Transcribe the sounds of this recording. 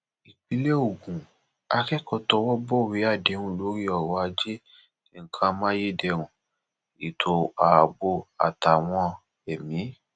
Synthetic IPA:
i˨k͡pi˨˧le˦o˦˨ɡũ˨ | a˧kɛ˦kɔ˧tɔ˧wɔ˦bɔ˦˨wi˨˦a˦˨de˨˦ɾũ˦lo˨˦ɾi˦ɔ˦˨ɾɔ˨˦a˧d͡ʒe˦ | ti˦˧ŋ̩˦kʰã˧mã˦je˦˨dɛ˧ɾ̃ũ˨ | i˨tʰo˨a˨bo˧a̰˨ta˨w̃ɔ̃˧ | ɛ˨mĩ˨˦

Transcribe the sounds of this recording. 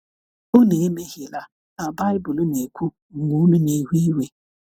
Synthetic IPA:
o˦ne˨e˦me˦hje˨la˦ | na˨ba˦ɪ˦bʊ˨lʊ˦ne˨kʷu˦ | ŋ̩˨ɡʷu˨˦nʊ˦ne˨ɦʷi˦we˨

